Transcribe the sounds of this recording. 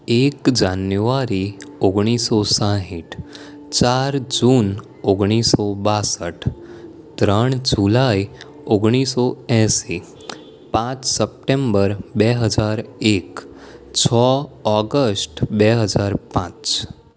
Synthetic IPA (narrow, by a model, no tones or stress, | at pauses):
ekd͡ʒanjuʋaɾioɡɳ̃isosãɦiʈʰ | t͡ʃaɾd͡ʒun | oɡɽ̃isobasəʈʰ | t̪ɾəɳ̃d͡ʒulai | oɡɽ̃isoɛ̃si | pãt͡ʃsəp̚ʈembəɾbɛɦəd͡ʒaɾek | t͡ʃʰɔɔɡəsʈbɛɦəd͡ʒaɾpãt͡ʃ